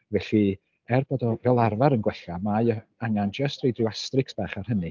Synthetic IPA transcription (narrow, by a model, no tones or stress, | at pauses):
vɛɬi | ɛrboːdɔvɛlˠarvaɾənɡwɛɬamajɔaŋand͡ʒəstʰrejdrɪwastrɪksb̥aːχarhənɨ